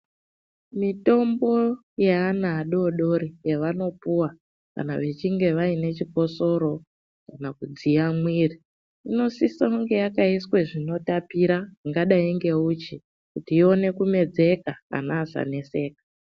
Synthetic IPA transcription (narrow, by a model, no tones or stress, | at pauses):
mito̞mbo̞ | jeanaːɗo̞ɗo̞ɾijeʋano̞puwa | ka̰na̰ʋe̞t͡ʃiŋɡe̞ʋaine̞t͡ʃiko̞so̞ɾo̞ | kanakud͡ziamwiːri | ino̞sisauŋɡe̞jakaiswe̞ʐino̞tapiɾaŋɡaɗaiŋɡe̞ut͡ʃi | kutiːo̞ne̞kume̞d͡ze̞kaka̰naːza̰ne̞se̞ːkḁ